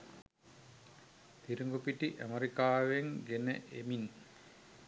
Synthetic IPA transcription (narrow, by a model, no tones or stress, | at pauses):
t̪iɾuŋɡupiʈiʔæməɾikaːʋeŋɡenə̰ʔemin